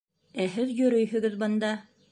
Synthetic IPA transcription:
æɦɘðjɵ̆ɾɵjhɵ̆ɡɘðbɤ̆nd̪ɑ

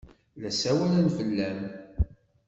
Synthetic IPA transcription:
læsæwælænfəlːæm

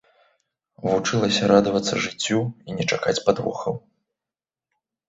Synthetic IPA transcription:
vut͡ʂɨlˠɐsʲɐɾad̪ɐvɐt̪sːɐʐɨt͡sʲːuinʲɛt͡ʂakat͡sʲpad̪vɔ̰xɐw

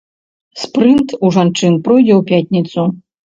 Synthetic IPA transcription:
spɾɨnt̪uʐant͡ʂɨnpɾɔjd͡zʲɛwpʲatʲnʲit̪su

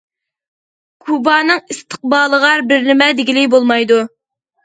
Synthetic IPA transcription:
kʰubɑːnɨŋist̪ʰə̥q̚bɑːlˠəʁɑɾbɪɾnɪmɛd̪ɪɡʲilɪkʲbolˠmɑjd̪u

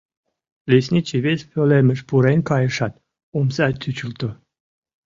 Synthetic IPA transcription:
lesnʲit͡ɕiβespøleməʃpuɾenʲkɑjəʃɑt̪̚ | umsɑt̪ʰːyt͡ɕult̪o

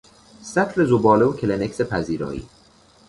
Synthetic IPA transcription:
sæt̪ʰle̞zobɒːleocʰelenekʲsepʰæziːɾɒ̰ːḭː

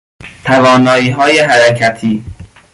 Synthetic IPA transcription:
t̪ʰævɒːnɒːiːɦɒːjeɦæɾæcʰæt̪ʰiː

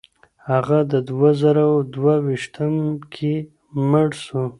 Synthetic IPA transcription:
haɣad̪əd̪wazaɾawd̪wawiʃt̪əmkʰe | məɽsu

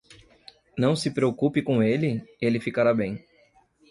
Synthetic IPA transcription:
nɐ̃w̃sɪpɾeokupɪkõelɪelɪfikaɾabẽj̃

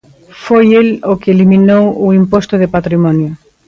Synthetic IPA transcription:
fojelokɪeliminowʊimpost̪ʊð̞ɪpat̪ɾimɔnjʊ

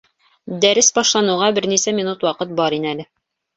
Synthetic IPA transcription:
d̪æɾɘsbɒʃlˠɑnŭʁɑbɘɾnisæmʲinut̪wɑqɤt̪̚bɒɾinælɘ

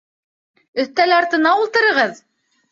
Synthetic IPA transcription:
ɵ̆θt̪ælɑɾt̪ɤ̆nɑulˠt̪ɤ̆ɾɤ̆ʁɤð

